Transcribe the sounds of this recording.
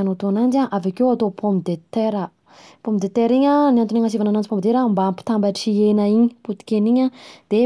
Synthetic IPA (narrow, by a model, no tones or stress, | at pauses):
anot̪uanand͡ʒaʔavakewat̪opʰompid̪et̪eɾə | pompid̪et̪eɾiɲaniant̪uniŋasivananand͡ʒipomid̪eɾambaampi̥t̪ambaʈ͡ʂienəiɲiput̪i̥kʲeniɲad̪̥e